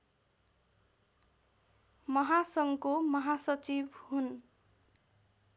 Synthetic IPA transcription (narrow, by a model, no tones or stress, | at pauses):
mʌɦasʌŋkomʌɦasʌt͡sibhun